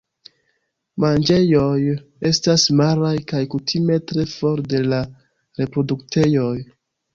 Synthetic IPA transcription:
mand͡ʒe̞jo̞j | e̞stasmaɾajkajkutʰime̞tɾe̞fo̞ɾde̞la | ɾe̞pɾo̞dukte̞jo̞j

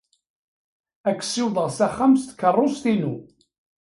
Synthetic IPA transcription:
ækːsiwðˤəʁsæχəmst̪kərˤːost̪inu

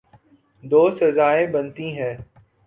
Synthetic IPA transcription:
d̪oːsəzaːẽbənt̪ĩːɦɛː

